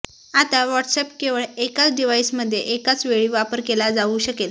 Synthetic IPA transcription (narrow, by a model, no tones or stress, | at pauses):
at̪aʋɔʈsepkeʋəɭekat͡sɖiʋaisməd̪ʱːjeʔekat͡sʋeɭiːʋapəɾkelad͡zauːɕəkel